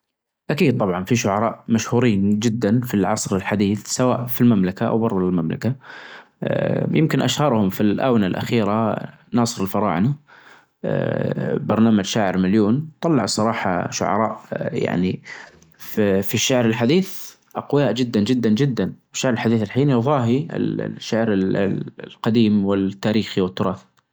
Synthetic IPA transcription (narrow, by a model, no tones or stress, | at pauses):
ʔakiːd̪̚t̪ˤɑbʕɑnfiʃʊʕɑɾˤɑːʔmaʃhuːɾiːnd͡ʒɪd̪ːanfilʕɑsˤɾɪlħad̪iːθsawaːʔfilmamlakaʔa̰wbɑɾˤðˤlɪlmamla̰ka | jɪmkɪnʔa̰ʃhɑɾˤhʊmfilʔa̰ːwnalʔa̰xiːɾa | nɑːsˤɨɾɪlfɑɾˤɑ̰ːʕna̰ | bɑɾˤnaːmad͡ʒʃaːʕɪɾmaljuːnt̪ˤɑlːɑʕsˤɑɾˤɑːħɑ̰ʃʊ̰ʕɑ̰ɾˤɑ̰ːʔja̰ʕni | fiʃːaʕɾɪlħad̪iːθ | ʔqʊjaːʔd͡ʒɪd̪ːand͡ʒɪd̪ːand͡ʒɪd̪ːanwɪʃːaʕɾɪlħad̪iːθɪlħiːnjʊðˤɑːɦiɪ̰l̰ʃːaʕɾɪllqɑd̪iːmwɪlt̪ːaːɾiːxiwɪt̪ːʊɾˤɑːθ